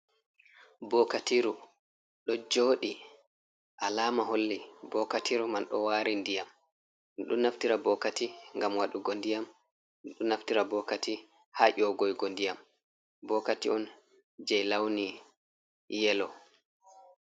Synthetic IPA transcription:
bɔkatiɾu | ɗɔd͡ʒoːɗi | ʔalaːmaɦolːibɔkatʰiɾumanɗɔ̰waːɾindijam | nɗunːaftiɾabɔkatiŋɡamwaɗuɡondijam | nɗunaftiɾabɔkati | haʔɔɡɔjɡondijam | bɔkatiɔn | d͡ʒɛjlawni | jɛlɔ

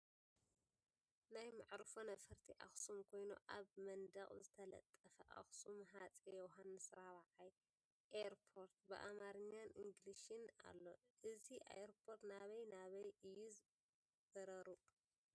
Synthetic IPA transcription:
najmaʕɾɨfonɐfɐɾt̪ʰiʔa̰xsumkʰo̞jnṵʔaβmɐnd̪ɐχʼzɨt̪ʰɐlɐ̰t̪ʼːɐfɐʔa̰xsumɦat͡sʼejɛwɦanːɨsɾaβaʕaj | ʔeɾpʰo̞ɾt̪̚bɨ̰ʔa̰maɾɨɲːaniŋɡliʃɨna̰lːo̞ʔɨziʔḛjɾpʰoɾt̪naβɐjnaβɐjɨjuz | b̥ɐɾɐɾu

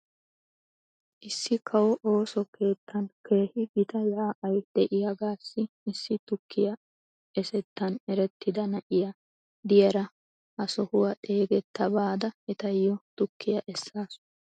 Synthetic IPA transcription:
ʔɪsːɪkʰɐwɔʔo̞ːsɔkʰe̞ːt̪ʰːɐnke̞ːhɪɡɪt̪ɐjaːʔɐjd̪̥ɛʔɪjɐɡaːsːɪ | ɪsːɪt̪ʊkʰːɪjɐ | ɛsɛt̪ːɐnɛɾɛt̪ʰːɪd̪ɐnɐʔɪjɐ | d̪ɪjɐɾɐ | ʔɐsɔhʊwɐᶑe̞ːɡɛt̪ːɐbaːd̪ɐɛt̪ɐjːɔt̪ʊkːɪjɐʔɛsːaːsʊ̥

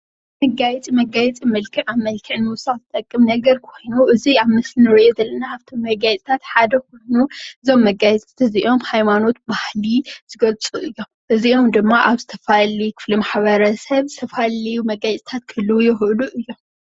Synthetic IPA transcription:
mɐɡajɛt͡sʼimɐɡajɛt͡sʼimɐlkʰɨʕaβmɐlkʰɨʕnɨwʊsat̪ʰɨt̪ʼɐkʼːɨmnɐɡɐɾkʰo̞jnuʔɨziaβmɨslinɨɾɨʔod̪ɐlːɐnaaβt̪ʰomːɐɡajt͡s̪ʼt̪ʰat̪ħad̪ɐkojnuɨzo̞mːɐɡajɛt͡sʼt̪ʰɨziʔo̞mhajmano̞t̪̚bahliz̥ɨɡɐlt͡sʼuʔɨjːo̞mʔɨziʔomd̪ɨmːaʔaβzɨt̪ʰɐ̥falikʰɨ̥flimaħβɐɾɐsɐβzɨt̪ʰɐfalɐjumɐɡajt͡s̪ʼit̪ʰat̪kʰɨlːɨwjɪxʔɨluʔɨjːo̞m

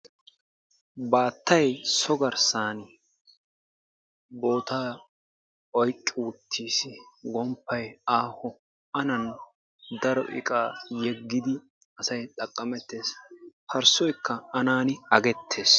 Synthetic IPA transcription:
baːt̪ːɐjsɔɡɐɾsaːn | bo̞ːt̪aː | ɔjkʼːɪwʊt̪ʰːiːsɪɡɔmpːɐjaːhɔ | ɐnɐn | d̪ɐɾɔ̰ʔɪ̰kʼaːjɛɡːɪd̪ɪ | ɐsɐjt̪ʼɐkʼːɐmɛt̪ːe̞ːshɐɾsɔjkːɐɐnaːnɪɐɡɛt̪ʰːe̞ːs

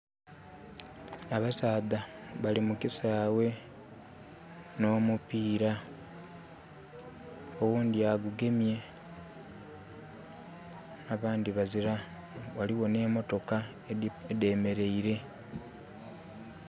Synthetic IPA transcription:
aβasaːðaβalimukisaːwe̞ | no̞ːmupiːɾa | owuːndiaɡuɡe̞mje̞ | aβaːndiβaziɾa | waliβo̞ne̞ːmo̞to̞ka | ede̞ːme̞ɾe̞iɾe̞

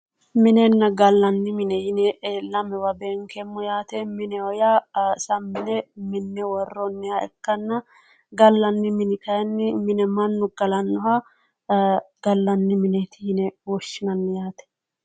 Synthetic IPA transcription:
mɪnɛnːɐɡɐlːɐnːɪmɪnɛjɪnɛʔeːlːɐmɛwɐbeːŋkɛmːʊjaːt̪ɛmɪnɛɔjasɐmːɪnɛmɪnːɛwɔrːɔnːɪjɐɛkːɐnːɐ | ɡɐlːɐnːɪmɪnɪk̪ɐjɐnːɪmɪnɛmɐnːʊɡ̥ɐlɐnːʊhɐ | ɡ̥ɐlːɐnːɪmɪnɛt̪ɪjɪnɛwɔʃːɪnɐnːɪjaːt̪ɛ̥

